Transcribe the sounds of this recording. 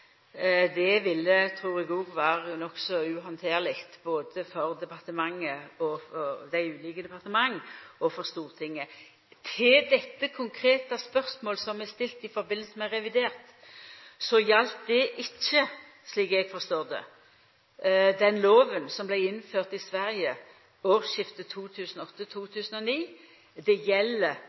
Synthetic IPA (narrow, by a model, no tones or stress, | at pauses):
d̪ɛʋɪlːət̪ʰɾuːʁɪɡuːɡʋɑːʁənɔksɔʉɦɑnt̪ʰeːʁlɪkt̪boːd̪əfɔʁd̪ɛpɑʁt̪əmɑŋːəɔɔd̪æɪʉːliːkəd̪ɛpɑʁt̪əmɑŋːɔfɔʁst̪uːʁt̪ʰɪŋːə | t̪ʰɪld̪ɛt̪ːəkʰʊŋkʰɾeːt̪ɑspœʁsmoːlsɔmɛst̪ɪlt̪ɪfɔɾbɪnlsəmɛɾɛʋɪd̪eːʁt̪ | sɔjɑlt̪̚d̪ɛʔɪt͡ʃːə | ʂliːkɛɡ̥fɔʁst̪oːʁd̪ɛ̰ | d̪ɛnloːʋənsɔmblæɪɪnːføːʁt̪ɪsʋæɾjə | oːʁʃɪft̪ət̪ʰuːt̪ʰʉːsənɔɔt̪ːət̪ʰuːt̪ʰʉːsənɔniː | d̪ɛjɛlːə